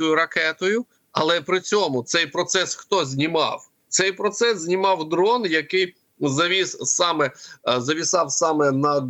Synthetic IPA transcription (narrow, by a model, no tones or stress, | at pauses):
ʊjʊɾɐkɛt̪ʊjʊ | ɐlˠɛpɾɪt͡sʲɔmʊt̪sɛjpɾɔt̪sɛsxt̪ɔzʲnʲimɑ̰w | t̪sɛjpɾɔt̪sɛszʲnʲimɑwd̪ɾɔnjɐkɪj | zɐʋʲisɑmɛzɐʋʲisɑwsɑmɛnɐd̪